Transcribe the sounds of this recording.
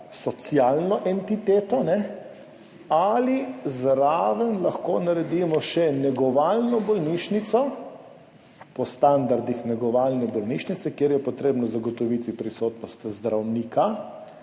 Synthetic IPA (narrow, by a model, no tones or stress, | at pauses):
sɔt̪sjalnɔʔɛnt̪it̪eːt̪ɔnɛ | alizɾaːʋənlaxkoːnaɾɛd̪iːmɔʃɛnɛɡɔʋalnɔbɔlniʃnit̪sɔ | pɔst̪and̪aɾd̪ixnɛɡɔʋaːlnɛbɔlniʃnit̪sɛkjeɾjɛpɔt̪ɾeːbnɔzaɡɔt̪ɔʋit̪ipɾisot̪nɔst̪zd̪ɾawniːka